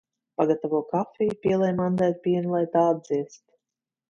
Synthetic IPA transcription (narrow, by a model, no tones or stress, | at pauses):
paɡat̪avuɔkafʲijpʲiɛlˠɛjmand̪aːt̪̚pʲiɛnlˠajt̪aːad̪ziɛst̪